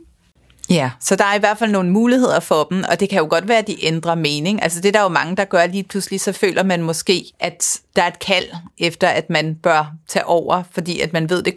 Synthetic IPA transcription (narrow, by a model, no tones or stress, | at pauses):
jæsɒ̽d̥ɑ̈æɐiʋæɐ̥fæl̰no̝ːn̩muːlihe̝ð̞̰ˠɐfɒ̽b̥m̩ɒ̽d̥e̝kʰæjo̝ɡ̥ɒ̽d̥ʋæːɐd̥iʔend̥ʁɐme̝ːne̝ŋʔælsəd̥e̝ɾ̥ɑ̈jo̝mɑ̈ŋəd̥ɑ̈ɡ̥ɶɐliːpʰluslisɒ̽fø̰ːlʔɐmænmɒ̽sɡ̥e̝̰ːʔæd̥d̥ɑ̈æɐe̝d̥kʰæl̰efd̥ɐʔæd̥mænb̥ɶɐt͡sʰɛ̰ːʔɒʊ̰ɐfɒ̽d̥ḭːæd̥mænʋe̝ð̞̰ˠd̥e̝